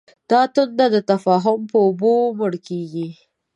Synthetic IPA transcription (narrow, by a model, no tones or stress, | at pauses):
d̪̥ɑt̪ʊnd̪ad̪ət̪afɑɦʊmpəʊboməɽkeɡi